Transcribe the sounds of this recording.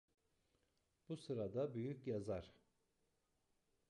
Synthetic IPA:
b̥usɯɾad̪abyjycjazaɾ̥

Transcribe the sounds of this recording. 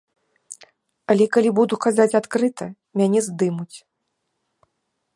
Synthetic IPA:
alʲɛkalʲibud̪ukazat͡sʲat̪kɾɨt̪ʰɐ | mʲanʲɛzd̪ɨmut͡sʲ

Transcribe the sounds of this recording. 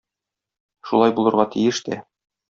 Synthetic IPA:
ʃulˠɑjbulˠɤ̆ɾʁɑt̪ʰijɘʃt̪æ

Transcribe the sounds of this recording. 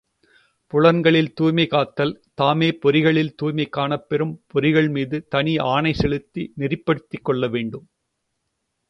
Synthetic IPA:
pʊɭɐnɡɐɭɪlt̪uːjmɐɪkaːt̪ːɐlt̪aːmeːpɔɾɪɣɐɭɪlt̪uːjmɐɪkːaːɳɐpːɛɾɯmpɔɾɪɣɐɭmiːðɯt̪ɐnɪaːɳɐɪsɛɭɯt̪ːinɪrɪpːɐɽɯt̪ːɪkːɔɭːɐʋeːɳɖɯm

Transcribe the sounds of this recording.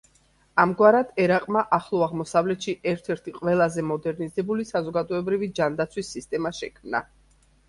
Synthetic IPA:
amɡwaɾad̪̥ɛɾaqʼmaʔaχlˠɔaʁmɔsavlɛt̪ʃiʔɛɾt̪ʰɛɾt̪ʰiqʼvɛlˠazɛmɔd̪ɛɾnizɛbulisazɔɡad̪ɔɛbɾivid͡ʒand̪at̪sʰwisːist̪ʼɛmaʃɛ̰kʰmna̰

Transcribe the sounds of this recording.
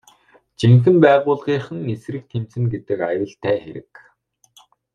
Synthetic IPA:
t͡ɕeŋxɘ̆mpæːʁʊːɮʁiːχə̆ŋesɾɘ̆k̚t̪ʰem̥t͡sɘ̆nɡet̪ɘ̆kajʊːɮt̪ʰæːxeɾɘ̆k

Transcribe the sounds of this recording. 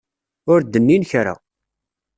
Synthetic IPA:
ʊɾd̪ːənːinçɾa̰

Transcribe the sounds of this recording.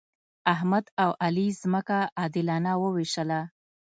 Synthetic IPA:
aɦmad̪awʔalizməkaɑd̪ɪlɑnawəwiʃəla

